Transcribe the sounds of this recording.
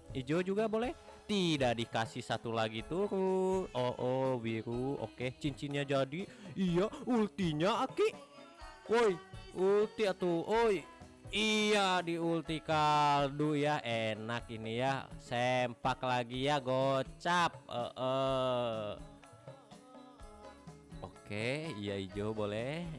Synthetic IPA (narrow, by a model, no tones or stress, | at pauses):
id͡ʒod͡ʒuɡabolɛh | t̪idaʔdikasihsat̪ulaɡit̪uɾut̪oʔɔbiɾuo̰ket͡ʃint͡ʃinɲad͡ʒadiijault̪iɲaːkiʔ | wojult̪iat̪uʔoj | ijadiult̪ikaldujaenakinijasempaklaɡijaɡot͡ʃap̚ə̰ʔə | okeijaid͡ʒobolɛ